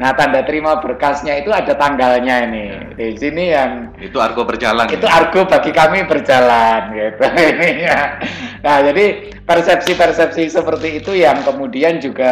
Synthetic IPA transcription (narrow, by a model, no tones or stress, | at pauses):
naht̪andat̪əɾimab̥ərkasɲait̪uadat̪aŋɡalɲainɪh | d̥asinijaŋ | it̪ua̰rɡobərd͡ʒala̰niuarɡ̥obaɡikamibərd͡ʒalanɡit̪uinijanahd͡ʒadi | pərsɛp̚sipərsɛp̚sisəpərt̪iːt̪ujaŋkəmudiand͡ʒuɡa